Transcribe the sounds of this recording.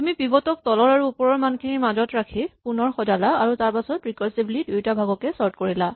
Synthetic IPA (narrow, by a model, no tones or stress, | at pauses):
amipibɔtɔk̚tɔlɔɹaɹuupɔɹɔɹmankʰinimazɔtɹakʰipunɔɹxɔdalaaɹutaɹpasɔtɹikɔɹsiblidujtabʱaɡɔkɛsɔɹt̚koɹila